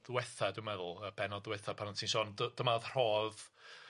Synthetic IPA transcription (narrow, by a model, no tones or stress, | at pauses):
ðwɛθadɪwmɛðʊlˠəb̥ɛnɔdðwɛθapʰanɔntʰinʃɔːndəd̥əmaðr̥ɔːð